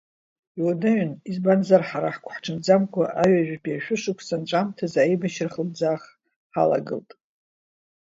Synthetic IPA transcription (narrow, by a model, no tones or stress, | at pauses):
iwadaʕnizbanzarħaɾaħkʷʰħʈ͡ʂʰɨnd͡zamkʷʰaʔaɥaʒᶣbʰʼaʃᶣʷʊʂɨkʷʰsanʈ͡ʂʷʼamtʰazaebaʃrχlbd͡zaχ | ħa̰la̰ɡɨ̰ltʼ